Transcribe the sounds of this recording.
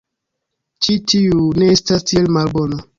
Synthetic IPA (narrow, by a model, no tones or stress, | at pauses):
t͡ʃitiune̞estastielmalbona